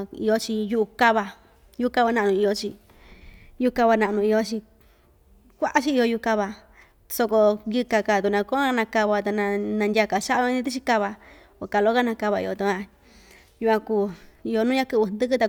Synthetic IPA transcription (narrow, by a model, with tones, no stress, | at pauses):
ḭ˧jo˧t͡ʃi˧ju˧ʔu˧ka˦βa˧ | ju˦˧ka˧βa˧nã˧ʔnũ˧i˧jo˧t͡ʃi˧ | ju˧u˧ka˧βa˧nã˧ʔnũ˧i˧jo˧t͡ʃi˧ | kʷa˦ʔa˦t͡ʃi˦i˧jo˧ju˧ka˧βa˧ | so˧ko˧jɨ˧ka˧ka˨t̪u˧˨nã˧ko˦˧nã˧ka˧βa˧t̪a˧nã˧nã˧ndʲa˧ka˧˨ʃa˦ʔi˧nĩ˧˦t̪i˦t͡ʃi˧˦ka˧βa˧ | o˧˨ka˧lo˦ka˦nã˧ka˧βa˧ḭ˧o˧t̪u˧ã˧ | ju˧kʷã˧kuː˧˨i˧o˧nũ˦ɲã˦kɨ˧˨βɨ˧nd̪ɨ˦k̬ɨ˦t̪a˧